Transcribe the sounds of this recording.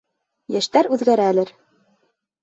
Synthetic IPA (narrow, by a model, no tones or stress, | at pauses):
jæʃt̪æɾʉðɡæɾæːlɘɾ